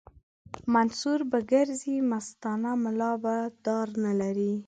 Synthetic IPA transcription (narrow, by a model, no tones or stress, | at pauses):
mansuɾbaɡəɾzimast̪ɑnamɪlɑbad̪̥ɑɾnalaɾi